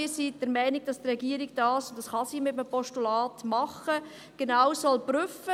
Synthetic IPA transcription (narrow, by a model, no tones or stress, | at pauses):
isid̥əɾmɛɪnɪɡ̚d̥ɑstrɛɡiəɾiɡ̚d̥ɑːsʊntd̥ɑsχɑsimɪtəmpɔʃtulɑːtmɑχə | ɡ̥enaʊsɔlbɾʏfə